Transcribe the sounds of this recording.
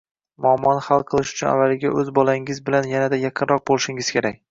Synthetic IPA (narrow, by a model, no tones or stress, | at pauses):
mʊɒmːɒnhalˠqʰɨlˠɪʃʊ̥t͡ʃʰʊna̰vːalɪɡʲaʔɵzbɒlaɪŋɪzbɪlanjanad̪ajɑqʰɨnɾɒq̚bolˠɪʃɪŋɪz̥kʲʰe̞ɾak̚ʲ